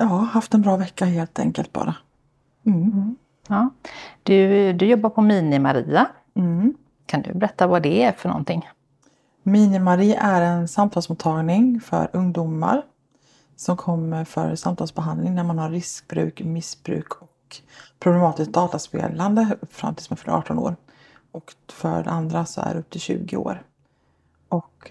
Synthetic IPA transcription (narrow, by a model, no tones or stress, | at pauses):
jɑːhaft̪ɛnbɾɑːvɛkːaheːlt̪ʰɛ̰ŋkə̰lt̪̚bɑ̰ːɾʔa | ɑːd̪̥ɵd̪ɵjɔbːaɾpʰɔmiːnɪmaɾiːa | kʰand̪ɵ̰bɛɾɛt̪ːavad̪ɛæɾfœɳɔ̰nt̪ʰɪŋː | miːnɪmaɾiːa̰ʔæɾɛnsamt̪ʰɑlsmʊːt̪ʰːɑːɡnɪŋfœ̰ɾɵŋd̪ʊma̰ɾ | sɔmkʰɔmːəɾfœ̰ɾsamt̪ʰɑːlsbɛɦand̪lɪŋnæɾmanhaɾːɪsk̚bɾʉ̟̰ːkmɪsbɾʉ̟ːkʰɔkpʰɾʊblɛmɑːt̪ɪsk̚d̪ɑːt̪aspḛːland̪əfɾa̰mt̪ʰɪlsmɛfœɾɑ̰ːʈɔno̰ːɾ | ɔkfœ̰ɖɛ̰and̪ɾasɔæ̰d̰ɵp̚t̪ʰɪlɕʉ̟̰ːɡɪo̰ːɾ | ʔɔk